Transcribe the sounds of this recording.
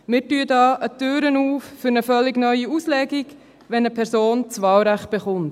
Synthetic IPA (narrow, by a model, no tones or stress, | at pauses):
mɪːɾtyːədɑːʔətøːɾənuːfːʏɾnəfœlːɪɡnœʏiuːslɛɡiɡ | ʋɛnəpʰɛɾsoːnt͡sʋɑːlɾæχt̚b̥ɛχʊnt